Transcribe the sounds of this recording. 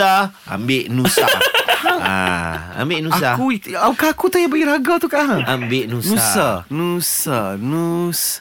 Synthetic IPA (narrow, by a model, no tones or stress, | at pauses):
a | a̰mbeʔnusa̰aa̰a̰mbɪʔnusakuakaakut̪ajabaɡiɾaɡat̪ukaʔɦambɪʔnunsuasanusanus